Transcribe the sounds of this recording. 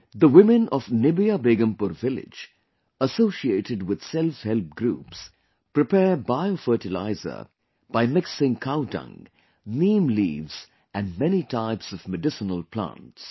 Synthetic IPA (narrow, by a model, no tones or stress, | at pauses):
d̪əwɪmɪ̃nɔvnɪbiabeːɡə̃mpuɾvɪlɪ̰d͡ʒ | əsoːsieːʈɪɖwɪd̪̥sɛlfhɛlp̚ɡɾuːps | pɾɪpɛːbaɪofəːʈɪla̰ɪzə̰ | b̥aɪmɪksɪ̃ŋkʰaʊtʌ̰̃ŋ | nĩːmlḭːvz̥ | æ̃nɖmɛnitʰaɪpsɔvmɨɖɪsənəlpʰlã̰nts